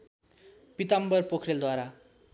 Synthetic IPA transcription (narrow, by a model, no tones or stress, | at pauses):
pit̪ambʌrpokʰreld̪waɾa